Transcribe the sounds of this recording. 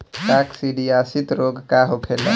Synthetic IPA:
ʈaksiɖiasit̪ɾoɡkaɦokʰela

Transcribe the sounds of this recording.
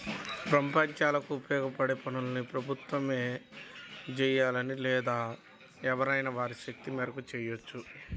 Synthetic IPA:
pɾɐmpɐɲt͡ʃaːlɐkuːpjɔːɡɐpɐɽepɐnulɐnipɾɐbʱut̪ʋɐme̞ː | d͡ʒɛjaːlɐnilɛːd̪aː | ɛʋɐɾɐjnɐʋaːɾiʃɐk̚t̪imɛːɾɐkut͡ʃɛːjot͡ʃːu

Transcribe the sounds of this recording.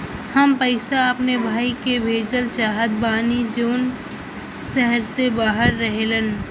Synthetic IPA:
həmpəɪsaɐpnebʱaːikebʱeːd͡ʒəlt͡ʃaːɦət̪̚baːnid͡ʒoːn | ʃɛɦəɾsebaːɦəɾːəɦelən

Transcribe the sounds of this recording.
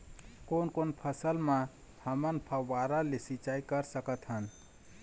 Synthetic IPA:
konkonpʰəsəlmã | həmənpʰəwaɾalesit͡ʃaikəɾsəkət̪ɦən

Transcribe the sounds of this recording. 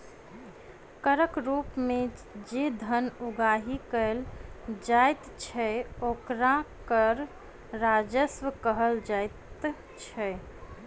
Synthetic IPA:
kəɾəkɾupmed͡ʒed̪ʱənuɡaɦikəld͡ʒajt̪t͡ʃʰɛokɾãkəɾ | ɾad͡ʒəsʋəkəɦəld͡ʒajt̪ | t͡ʃʰɛ

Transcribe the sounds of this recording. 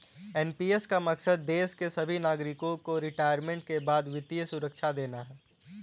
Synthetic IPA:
ɛːnpiːeskamɐksəd̪̚ːeːʃkesɐbʱinaːɡɾɪkõkoɾɪʈaːjəɾmẽɳʈ̚kebaːd̪ʋɪt̪ijəsʊɾəkʃʰad̪eːnaɦɛː

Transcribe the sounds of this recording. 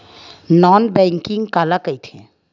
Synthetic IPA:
nɔːnbɛ̃ːŋkɪ̃ŋɡkaːlakəit̪ʰḛ̃

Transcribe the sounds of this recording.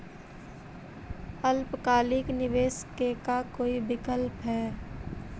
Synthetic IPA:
əlpkaːlɪknɪʋeːskekakoːibɪkəlpɦɛː

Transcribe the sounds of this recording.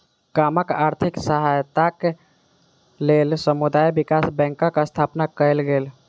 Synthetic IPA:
kaməkaɾt̪ʰiksəɦajt̪ak | lelsəmud̪ajbikasbɛ̃ŋkəkəst̪ʰapnakəlɡel

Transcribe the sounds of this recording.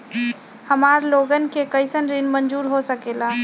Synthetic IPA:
həmaːɾloɡənkekəɪsənɾinmənd͡ʒuːɾɦosəkeːla

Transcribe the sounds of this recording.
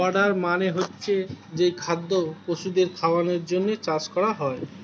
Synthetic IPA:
aɖaɾmaneɦotːɕʰed͡ʑejkʰad̪ːokoʃud̪eɾkʰaoaneɾd͡ʑonːet͡ɕaskɔɾaɦɔe

